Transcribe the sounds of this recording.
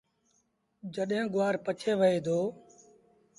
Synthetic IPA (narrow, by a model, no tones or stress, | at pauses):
d͡ʒəɗɦẽːɡʊʋaːɾpət͡ʃʰeːʋəeːd̪oː